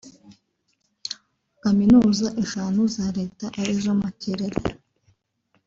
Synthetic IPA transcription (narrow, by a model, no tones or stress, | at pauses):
kaminuzaʔeʃaːnuzaɾe̞ːtaʔaɾiʒamaceɾeɾe